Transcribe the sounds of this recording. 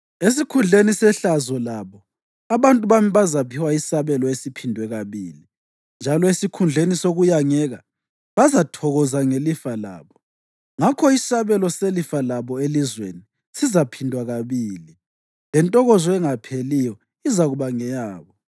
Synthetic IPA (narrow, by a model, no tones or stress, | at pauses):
es̬ikʰund͡ɮʱenisɛɬazɔlaβɔ | aβantʼuβamiβazapʰiwaisaβɛlɔesipʰindʱwɛɣaβiːli | nd͡ʒʱalɔesikʰund͡ɮʱenisoɣujaŋɛɣa | βazatʰɔɣɔzaŋelifala̰ːβɔ | ŋakʰɔisaβɛlɔselifalaβɔelizwḛni | sizapʰindʱwaɣaβiːli | lɛntʼɔɣɔzɔɛŋapʰelijɔ | izaɣuβaŋɛjaːβɔ